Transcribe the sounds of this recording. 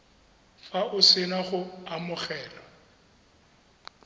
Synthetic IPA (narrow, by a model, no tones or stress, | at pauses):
faʔʊsɪnaχʊamʊχɛːlɔ